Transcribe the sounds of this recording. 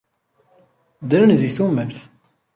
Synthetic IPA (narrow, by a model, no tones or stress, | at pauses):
d̪ɾənðiθuməɾθ